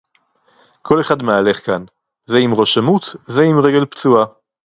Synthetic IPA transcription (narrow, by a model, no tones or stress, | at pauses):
kʰo̞le̞χad̪meale̞χkan | zeimʁo̞ʃamut̪zeimʁe̞ɡe̞lpt͡sua